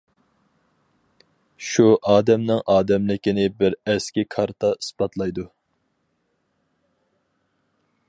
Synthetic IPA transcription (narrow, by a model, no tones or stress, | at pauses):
ʃuʔɑːd̪ɛmnɪŋʔɑːd̪ɛmlɪkʲinɪbɪɾɛskʲikʰɑɾt̪ʰɑɨsbɑt̪lˠɑjd̪u